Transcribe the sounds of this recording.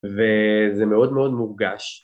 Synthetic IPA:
vezemeo̞d̪meo̞d̪muʁɡaʃ

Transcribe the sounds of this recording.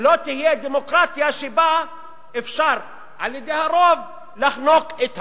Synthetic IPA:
lot̪ihijed̪emokʁat̪jaʃeba | efʃaʁ | ʔaljed̪ejhaɾov | laχnoket̪ha

